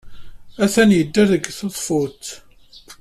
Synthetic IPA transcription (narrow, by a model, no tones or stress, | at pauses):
æθænjəd̪ːæðəɡθoðˤfot̪